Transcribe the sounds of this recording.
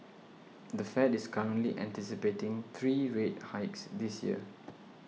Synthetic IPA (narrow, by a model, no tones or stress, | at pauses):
d̪əfɛtɪskʰɔɹə̃nliʔɛ̰̃ntisipetɪ̃ŋt̪ʰɹiɹet̚haɪksd̪isjḭə̰